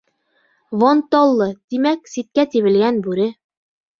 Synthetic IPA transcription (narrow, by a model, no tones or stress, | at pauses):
vɑnt̪ɑlˠːɤt̪imæksit̪̚kæt̪iβɘ̆lɡænbʉɾɘ